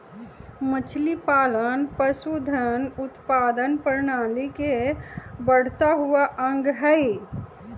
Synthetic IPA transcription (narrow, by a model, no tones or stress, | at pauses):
mət͡ʃʰlipalənpəsud̪ʱənut̪pad̪ənpəɾnalike | bəɽ̤t̪aɦuaʔəŋɡɦəj